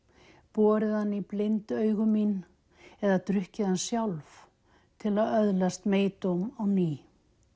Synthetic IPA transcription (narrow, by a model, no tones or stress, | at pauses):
pɔːɾɪðanːiplɪnt̪œːɥɣʏmin | ɛðat̪ɾʏhcɪðansjawlv | t̪ʰɪlaðœðlast̪meːjt̪owmawniː